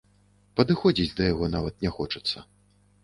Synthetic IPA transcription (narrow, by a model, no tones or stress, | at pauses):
pɐd̪ɨxɔd͡zʲit͡sʲd̪ɐjaɣɔnavɐt̪̚nʲɛxɔt͡ʂɐ̥t̪sːɐ